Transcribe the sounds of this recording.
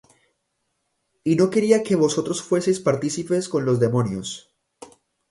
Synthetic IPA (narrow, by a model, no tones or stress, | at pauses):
ino̞ke̞ɾiake̞βo̞so̞t̪ɾo̞sfwe̞sejspaɾt̪isipe̞sko̞nlo̞zd̪e̞mo̞njos